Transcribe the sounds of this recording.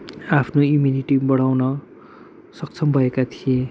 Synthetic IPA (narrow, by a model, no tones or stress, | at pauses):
apʰnoimuniʈibʌɽawnʌ | sʌk̚t͡sʰʌmbʱʌekat̪ʰijẽ